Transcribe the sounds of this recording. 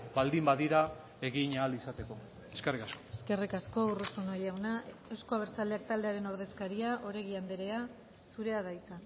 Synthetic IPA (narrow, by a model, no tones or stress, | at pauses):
bald̪imbaðiɾa | e̞ɣiɲaːlisat̪e̞ko̞ | eskerikasko̥eskerikasko̞urusunojawna | ewskoaβ̞e̞ɾt͡sald̪eak̚t̪ald̪e̞aɾe̞no̞ɾð̞e̞skaɾiaʔo̞ɾe̞ɣ̞iand̪eɾe̞a | suɾe̞aðait͡sa